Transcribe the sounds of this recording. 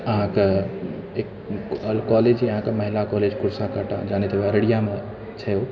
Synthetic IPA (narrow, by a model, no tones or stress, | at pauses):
əɦãke | ek | əlkɔled͡ʒiəɦãkeməɦilakɔled͡ʒkuɾsakəʈa̰d͡ʒaːnet̪ʰeʋɛɾəɽijame | t͡ʃʰɛo